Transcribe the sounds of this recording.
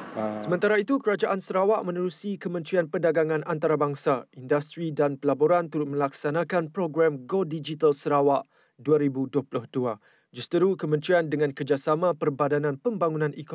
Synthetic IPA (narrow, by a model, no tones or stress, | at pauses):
səmə̃nt̪aɾait̪ukəɾad͡ʒaʔansəɾawaʔmə̃nəɾusikəmə̃nt̪ɾianpədaɡaŋãnʔant̪aɾabaŋsaindast̪ɾidanpəlaboɾant̪uɾʊt̪̚mə̃laksanãkanpɾoɡɾamɡodid͡ʒit̪alsəɾawaʔ | duaɾibuduaplʊhdua | d͡ʒust̪əɾukəmə̃nt̪ɾiandəŋãnkərd͡ʒasamãpərbadanãnpəmbaŋunãnʔik